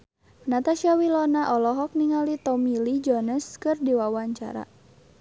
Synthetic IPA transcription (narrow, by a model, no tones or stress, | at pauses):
nat̪aʃiawilɔnaʔɔlɔɦɔk̚niŋalit̪ɔmilid͡ʒɔnəskɨrdiwawaɲt͡ʃa̰ɾa̰